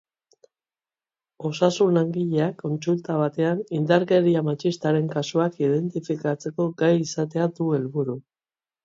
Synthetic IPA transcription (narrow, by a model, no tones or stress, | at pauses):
o̞sasunaŋɡiʎeakːo̞nsult̪aβ̞at̪e̞anind̪aɾɣe̞ɾiamat͡ʃist̪aɾe̞ŋkasuakiðe̞nt̪ifikat͡se̞ko̞ɡajisat̪̬e̞ad̪ue̞lβuɾu